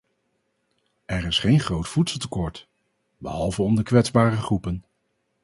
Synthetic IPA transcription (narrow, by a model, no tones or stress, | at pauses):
ɛɹɪsχejnχrowtfutsəlˠtəkɔɹt | bəɦɑlˠvəɔmdəkʋɛdzbaːrəχrupən